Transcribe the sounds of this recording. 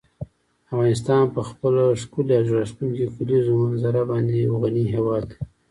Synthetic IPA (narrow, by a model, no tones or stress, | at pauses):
avɣɑnɪs̬t̪ɑnpəxpəloʂkulaʒuɾast̪unkikulizomanzaɾabɑnd̪eɣaniɦewɑd̪